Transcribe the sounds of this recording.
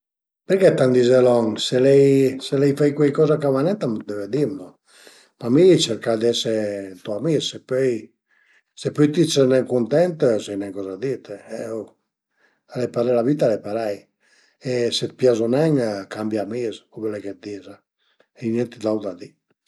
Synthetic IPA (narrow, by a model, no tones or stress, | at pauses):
peɾkɛt̪and̪izɛlɔŋselɛjselɛjfɛjkwɛjkɔzakavanɛnt̪amad̪ɛved̪imno | mamit͡ʃɛɾkad̪ɛset̪uamissepøj | sepøjt̪isənɛŋkunt̪ɛnt̪sɛjnɛŋkɔzad̪it̪eɛw | alɛpaɾɛlavit̪alɛpaɾɛj | eset̪̚pjazunɛŋkambjamizkubelɛjket̪̚d̪iza | enɛnt̪id̪awd̪ad̪i